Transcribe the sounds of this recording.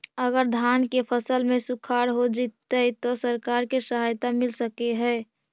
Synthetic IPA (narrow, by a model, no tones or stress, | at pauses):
əɡəɾd̪ʱankepʰəsəlmẽsukʰaɾɦod͡ʒit̪ːət̪ɔsəɾkaɾkesəɦajt̪amɪlsəkeɦɛː